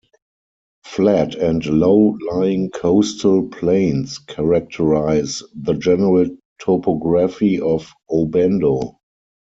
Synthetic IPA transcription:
flætʰɛ̃ntloʊlaɪɪ̃ŋkʰoʊstʰəlpʰlẽɪ̃nskʰɛɹak̚tʰəɹaɪzðəd͡ʒɛnəɹəltʰɔpʰɔɡɹafiɔf | obɛ̃ndo

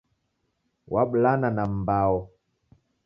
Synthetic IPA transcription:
waɓlananam̩bawɔ

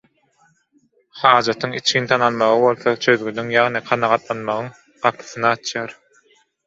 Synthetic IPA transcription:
hɑːd͡ʒɑt̪ʰɯŋḭt͡ʃʰkint̪ʰɑnɑlmɑʁɯβo̞lˠθot͡ʃʰø̞ðɡynyŋjɑʁnɨqʰɑnɑʁɑt̪lˠɑnmɑʁɯŋ | ɢ̥ɑpʰɯ̥θɯnɯɑt͡ʃʰjɑːɾ

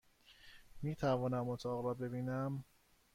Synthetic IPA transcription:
miːt̪ʰævɒːnæmot̪ʰɒːɣɾɒːbe̞biːnæm

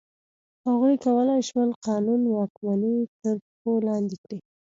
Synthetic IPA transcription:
haɣujkawəlajʃməlqɑnunwɑkmanit̪əɾpolɑnd̪ikɽi

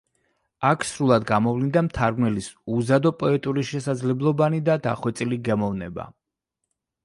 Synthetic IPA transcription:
akʰsɾulˠad̪ɡamɔvlind̪amt̪ʰaɾɡnɛlisuzad̪ɔpʼɔɛt̪ʼuɾiʃɛsad̪zlɛblˠɔbanid̪ad̪a̰χwɛt̪sʼiliɡɛmɔvnɛ̰ba̰

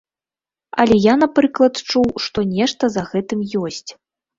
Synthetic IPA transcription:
ɐ̰lʲɛjanapɾɨklˠɐt̪t͡ʂuwʂt̪ɔnʲɛʂt̪ɐzɐɣɛt̪ɨmjɔsʲt͡sʲ

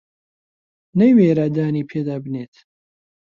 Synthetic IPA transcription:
nejweːɾad̪aːniːpʰeːd̪aːbɨneːt̪

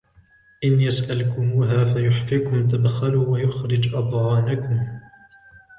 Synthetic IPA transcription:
ʔɪnjasʔalkʊmuːɦaːfajʊħfikʊmt̪̬abxaluːwajʊxɾɪd͡ʒʔɑd̪ˤʕɑːnakʊm

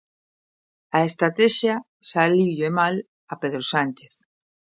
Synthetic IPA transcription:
aest̪ɾat̪ɛʃja | saliʎoemal | apeðɾosant͡ʃeθ

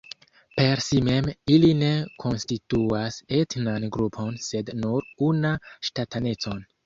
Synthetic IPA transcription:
pe̞ɾsime̞miline̞kʰo̞nstituasetnanɡɾupʰo̞nse̞dnuɾunaʃtatʰane̞t͡so̞n

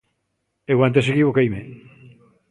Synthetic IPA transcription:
ewant̪̬es̬eɣkiβokejme

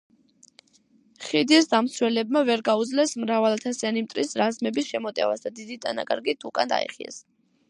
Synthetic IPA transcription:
χid̪iɛsd̪amt̪swɛlɛb̚mavɛɾɡaud̪zlɛsmɾavalat̪ʰasianimt̪ʼɾisɾazmɛbisʃɛmɔt̪ʼɛ̰va̰sd̪ad̪id̪it̪ʼana̰kʼa̰ɾɡit̪ʰukʼand̪a̰ḭχḭɛ̰s

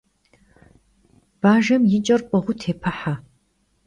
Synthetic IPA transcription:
b̥aːʒɐmjɪt͡ʃʼɐrqʷʼɔʁʷʊtʰeːpʰɐħa

